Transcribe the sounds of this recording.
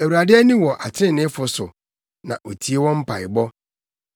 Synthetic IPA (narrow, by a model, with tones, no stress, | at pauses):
æ˨u˨ɾa˨dɪ˦æ˦nĩ˦wɔ˨ʔa˨tʰɪ̃˦˨nɪ̃˦fʊ˨sʊ˨ | nã˨ʔo˨tʰi˨˦e˦wɔ̃˦m̩˦pʰa˨ɪ˨bɔ˦